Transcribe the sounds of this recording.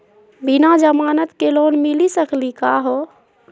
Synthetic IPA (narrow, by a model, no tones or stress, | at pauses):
binad͡ʒəmaːnət̪keloːnmilisəklikaɦo